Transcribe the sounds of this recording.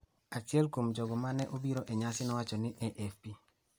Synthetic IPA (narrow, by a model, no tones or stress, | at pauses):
at͡ʃɪɛlkomd͡ʒɔɡɔmanɛʔobiɾɔʔeɲasɪnɔwat͡ʃɔnɪʔɛʔɛfpi